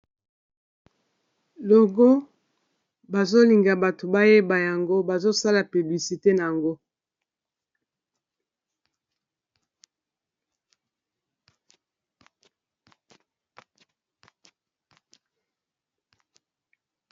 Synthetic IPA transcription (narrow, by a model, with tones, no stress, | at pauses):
lo˨ɡo˦ | ba˨zo˦li˨ŋɡa˨ba˨to˨ba˦je˦ba˨ja˨ŋɡo˦ba˨zo˦sa˦la˨py˨bli˨si˨te˦na˨ja˨ŋɡo˦